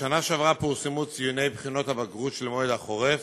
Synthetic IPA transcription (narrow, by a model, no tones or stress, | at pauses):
anaʃavʁapuʁsemut͡sijune̞jbχino̞t̪habaɡʁut̪ʃelmoed̪aχoʁef